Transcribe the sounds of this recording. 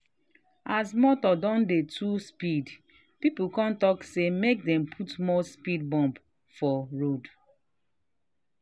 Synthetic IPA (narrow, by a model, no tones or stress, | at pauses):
asmɔtɔdɔ̃ndetʰuspid | pipukãntɔksemek̚dɛ̃mpʰutmɔspid̚bɔ̃mp | fɔɹod